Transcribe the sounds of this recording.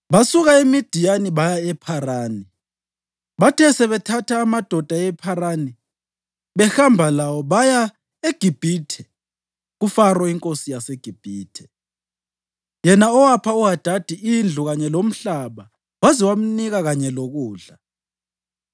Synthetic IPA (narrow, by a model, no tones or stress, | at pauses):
βasuɣaemid̥ʱijaniβajaɛpʰaraːni | βatʰɛsɛβɛtʰatʰaːmad̥ʱɔd̥ʱaɛpʰaɾani | βɛxambʱalawɔβaja | eɡ̥ʱib̥ʱiːtʰɛ̥ | ɣufarwaiŋkʼosijaseɡ̥ʱib̥ʱiːtʰɛ̥ | jɛnaɔwapʰauɦad̥ʱad̥ʱiʔind͡ɮʱuɣaɲɛlom̩ɬaβa | waziwam̩niɣaɣaɲɛloɣuːɮa